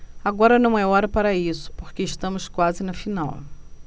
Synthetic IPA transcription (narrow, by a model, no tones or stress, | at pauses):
aɡɔɾɐnɐ̃w̃ɛɔɾɐpaɾɐisʊ̥poɾkeːʃt̪ɐ̃mʊskwazɪnɐfinaw